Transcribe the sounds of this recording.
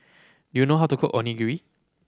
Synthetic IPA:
dujunoɦaʊtukʰoʔõ̰niɡuɹi

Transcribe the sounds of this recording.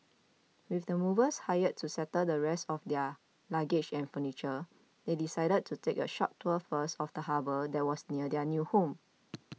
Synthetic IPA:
wifdəmuvəshajəd̚tusɛtəldəɹɛstɔfdɛ | laɡɪd͡ʒɛ̃nfənit͡ʃə | dedisaɪɾəd̚tʰutʰekəʃɔ̰tʰːəfəstɔfdəhabədɛt̚wɔsniədɛnjuhõm

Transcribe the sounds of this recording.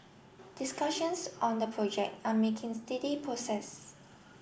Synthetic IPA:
d̥ɪskaʃə̃nsɔ̃ndəpʰɹɔd͡ʒɛk̚tamekʰɪ̃ŋstɛdipʰɹɔsɛs

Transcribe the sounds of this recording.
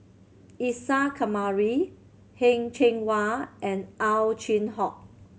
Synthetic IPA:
isakʰamaɹi | hẽŋt͡ʃʰẽŋwaʔɛ̃nʔawt͡ʃĩnɦɔk̚

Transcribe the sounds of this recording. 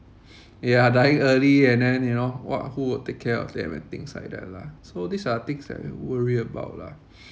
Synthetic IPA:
jadajĩŋəliɛ̃ndɛ̃njunowɔ̰t̚huwɪltekʰːɛɔ̰fdɛ̰̃mɛ̰̃nt̪ḭ̃ŋsa̰jdɛ̰̃la̰sodisat̪ɪ̃ksdɛ̰ʔwəɹiəba̰ʊt̚la̰

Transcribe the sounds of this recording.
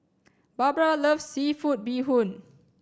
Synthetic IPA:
babɹaləfsːifut̚biɦũn

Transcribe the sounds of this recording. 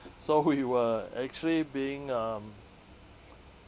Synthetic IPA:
sowiwəɛ̰k̚t͡ʃuəlibiɪ̃ŋãm

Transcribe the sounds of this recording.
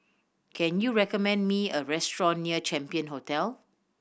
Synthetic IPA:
kʰɛ̃njuɹɛkɔmɛ̃ndmiəɹɛstɹɔ̃nːiət͡ʃɛ̃mpiə̃nɦotɛl

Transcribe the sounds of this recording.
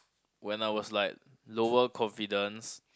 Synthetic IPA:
wɛ̃naɪwɔslaɪk̚ | lowəkʰɔ̃ɱfidə̃ns

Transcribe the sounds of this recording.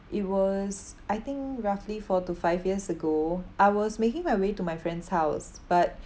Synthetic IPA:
ʔit̚wɔsʔajt̪ɪ̃ŋkɹaflifɔtufaɪfjiəsəɡoʔaɪwɔsmekɪ̃ŋmajwetumajfɹɛ̃ndshaʊs | b̥at̚

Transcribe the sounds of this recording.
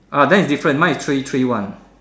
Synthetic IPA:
ʔadɛ̃nisdifɹə̃ntwãnistʰɹitʰɹiwãn

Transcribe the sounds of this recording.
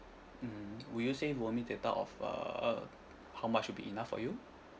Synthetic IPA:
m̩wujusewəmidet̪a̰ʔɔ̰fʌ̰ | hawmat͡ʃːut̚bḭʔinafːɔ̰ju

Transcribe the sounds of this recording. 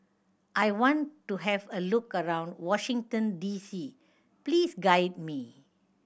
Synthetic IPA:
ʔajwɔ̃ntːuɦɛvəlukəɹãʊ̃ndwɔʃĩŋtə̃ndisi | pliːsɡaɪd̚mi

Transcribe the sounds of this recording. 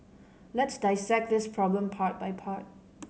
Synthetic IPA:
lɛtsdaɪsɛk̚dɪspʰɹɔblə̃mpʰat̚bajpʰat̚

